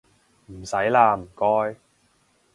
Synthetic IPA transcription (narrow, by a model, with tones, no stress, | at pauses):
m̩˨˩sɐ˨˥jlaː˧m̩˨˩kɔː˥j